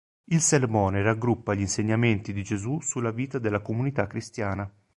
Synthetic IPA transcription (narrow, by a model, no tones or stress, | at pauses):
ilsermɔːneɾaɡɾupːaʎinseɲːament̪id̪id͡ʒezusulːaviːt̪ad̪elːakomunit̪akːɾist̪jaːna